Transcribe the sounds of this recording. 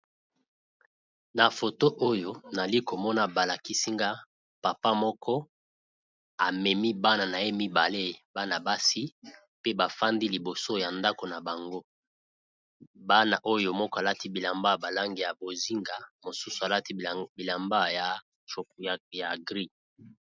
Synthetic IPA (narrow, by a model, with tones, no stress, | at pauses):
na˨fo˨to˦ʔo˦jo˨na˨li˦ko˨mɔ˦na˦ba˨la˨ki˦si˦ŋɡa˦ | pa˨pa˦mɔ˦kʰɔ˦ | a˨mɛ˨mi˦ba˦na˨na˨je˦mi˦ba˨le˦ba˦na˨ba˦si˦ | pe˦ba˨fa˦ndi˦li˨bo˨so˦ja˨nda˦ko˨na˨ba˨ŋɡo˦ | ba˦na˨ʔo˦jo˨mɔ˦kɔ˦a˨la˦ti˦bi˨la˨mba˦˨ba˨la˦ŋɡi˨ja˨bo˨zi˦ŋɡa˨mo˨su˦su˨a˨la˦ti˦bi˨la˨mba˦ja˨ | t͡ʃo˨kja˨ɡʁi˦